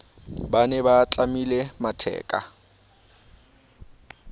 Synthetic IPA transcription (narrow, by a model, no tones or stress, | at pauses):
banɛbat͡ɬʼamilematʰɛ̰ːkʼa̰